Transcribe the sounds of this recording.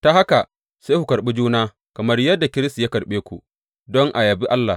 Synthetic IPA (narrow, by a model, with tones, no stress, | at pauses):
ta˦ha˦ka˨ | seː˦ku˨kɐ˨ɾɓi˦d͡ʒuː˦naː˦ | kɐ˨mɐ˦rjɐ˦dːa˨kʲɪ˦ɾɪ˦sta˨ja˦kɐ˨ɾɓeː˦kʷṵ˨ | dɔ˦ŋʔa˨jɐ˨bi˦ʔa˦lːa˨